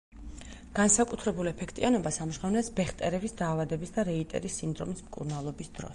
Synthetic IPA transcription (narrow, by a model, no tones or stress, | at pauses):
ɡ̥ansakʼut̪ʰɾɛbulɛpʰɛkʰt̪ʼianɔbasamʃʁɛvnɛsbɛχt̪ʼɛɾɛbisd̪aːvad̪ɛbisd̪aɾɛit̪ʼɛ̰ɾisːind̪ɾɔmismkʼṵɾnalˠɔbisd̪̥ɾɔ̰s